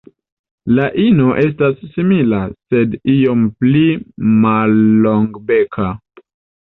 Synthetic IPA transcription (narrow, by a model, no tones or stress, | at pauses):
laʔino̞ʔe̞s̬tasːimilase̞dio̞mplimalːoŋɡbe̞kʰa